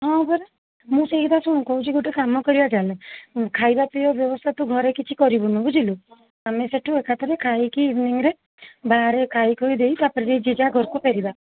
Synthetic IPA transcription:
ɦɔ̃bɔɾe | mũseɦit̪asuɽ̃ũkɔɦũt͡ʃʰiɡoʈekamɔkɔɾibad͡ʒalekʰajbapijɔbjɔbɔst̪ʰat̪uɡʱɔɾekit͡ʃʰikɔɾibunũbud͡ʒilu | ameseʈʰuekat̪ʰɔɾekʰajkiːbniŋɾe | baɾekʰajkojd̪ejt̪apɔɾiɾed͡ʒid͡ʒaɡʱɔɾkupeɾiba

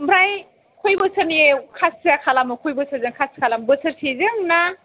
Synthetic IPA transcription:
bɾaj | kʰojbɯsɯniekʰassakʰalamɯkʰojbɯsʰazɯŋkʰaskʰalambɯsʰɯɾsʰezɯŋna

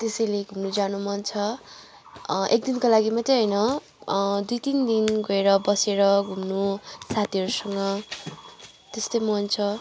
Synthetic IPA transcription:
t̪esʌjleɡʱumnud͡zanumʌnt͡sʰʌ | ʔek̚d̪inkolaɡimʌt̪eɦʌjnʌ | d̪ujt̪ind̪inɡʌeɾʌbʌseɾʌɡʱumnusat̪ʰiɦʌɾusʌŋɡʌ | t̪est̪ojmʌnt͡sʰʌ

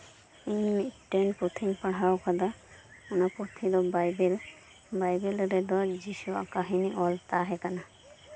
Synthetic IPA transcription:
iɲmiʈːɛnpot̪ʰimpaɽ̤awkʰad̪a | unapot̪ʰid̪ɔbajbel | bajbelɾɛd̪ɔd͡ʒisua̰kaɦiniʔɔlt̪aɦɛkana

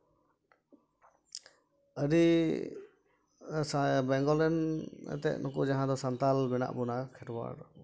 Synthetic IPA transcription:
əɾi | bɛŋɡɔlɛnɛ̰t̪ɛ̰ʔnɔkud͡ʒaɦãd̪ɔsant̪almɛna̰ʔbɔnakʰɛʈwa̰ɾ

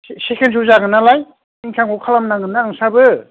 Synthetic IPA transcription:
sekʰens̬uzaɡɯnːalaj | iŋkʰaŋkʰɔkʰalamnaŋɯnːaɯŋsabɯ

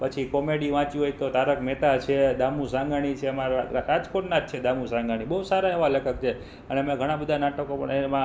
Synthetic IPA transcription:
pət͡ʃʰikɔmeɽiʋãt͡ʃiɦojt̪ot̪aɾəkmɛt̪ʰat͡ʃʰed̪amũsãŋɡaɽ̃it͡ʃʰeəmaɾɾad͡ʒkoʈnad͡ʒt͡ʃʰed̪amũsãŋɡaɽ̃ibəɦusaɾaeʋaləkʰəkt͡ʃʰe | əneəmẽɡʱəɽ̃ãbəd̪ʱanaʈəkopə̰ɳemã

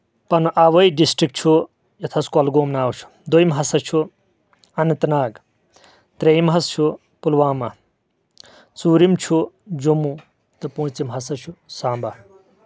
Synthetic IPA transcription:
pɐnʔɐʋɐjɖisʈɾik̚t͡ʃʰu | jɐt̪ʰɐskɐlɡoːmnaːwt͡ʃʰu̥ | d̪ojmɦɐsɐt͡ʃʰu | ɐnit̪naːɡ | t̪ɾejmɦɐst͡ʃʰu | pulʋaːmɐ | t͡suːɾimt͡ʃʰu | d͡ʒumu | t̪ɨpũːt͡simɦɐsɐt͡ʃʰusaːmbɐ

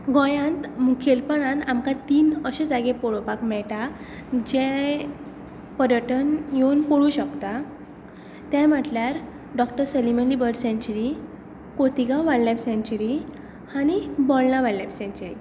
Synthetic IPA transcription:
ɡɔ̃jãnt̪mukʰelpəɳãamkat̪iːnəɕəd͡zaɡepɔɭopakmɛɭʈa | d͡ʑɛ | pəɾjəʈənjonpoɽuɕəkt̪a | t̪jɛ̃m̤əʈljaɾ | ɖɔkʈəɾsəlimənlibəɾɽsẽɲt͡ɕɾi | kot̪iɡaʋaɽlapsẽɲt͡ɕuɾi | añibɔlnaʋaɽlapsɛ̃ɲt͡ɕuɾḭ

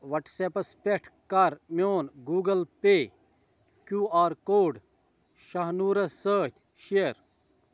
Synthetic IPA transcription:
ʋɐʈsepɐspeʈʰkɐɾmʲoːnɡuːɡɐlpeː | kjuːaːɾkoːɖ | ʃɐɦnuːɾɐsəːt̪ʲ | ʃeɾ

